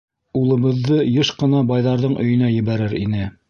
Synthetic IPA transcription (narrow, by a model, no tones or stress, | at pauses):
ulˠɤ̆βɤ̆ðːɤjɤʃqɤ̆nɑbɑjðɑɾðɤɴʔɵ̰̆jɵ̆næjɘ̆βæɾɘɾḭnɘ